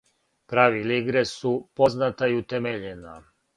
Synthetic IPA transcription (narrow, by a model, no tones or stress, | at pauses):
pɾaːʋiliɡɾesupo̞znat̪aiut̪emeʎena